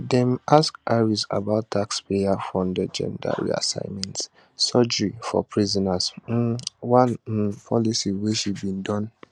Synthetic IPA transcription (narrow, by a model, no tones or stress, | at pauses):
dɛ̃maskaɹisa̰baʊtʰakspeafɹɔ̃mdəd͡ʒɛ̰̃nda̰ɹḭa̰sã̰ɪ̃mɛ̃nt | sɔd͡ʒifɔ̰pʰɹizɔnas̩ | wãnpʰɔlisiweʃibĩndɔ̃n